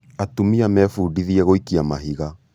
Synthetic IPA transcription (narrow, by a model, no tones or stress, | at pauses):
atumiamɛfuudiðiɛɣoikiamaɦiɣa